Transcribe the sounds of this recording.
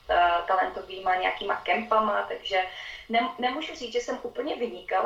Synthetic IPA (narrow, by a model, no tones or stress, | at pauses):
t̪alɛnt̪oviːmaɲɛja̰kiːma̰kɛmpamat̪aɡʒɛnɛmnɛmuːʒur̝iːt͡sʒɛsɛmʔuːpl̩ɲɛvɪɲɪkal